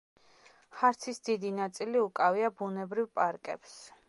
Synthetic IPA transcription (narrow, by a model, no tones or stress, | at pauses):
χaɾt̪sʰisd̪id̪inat̪sʼiliukʼaviabunɛbɾivpʼaɾkʼɛ̰ps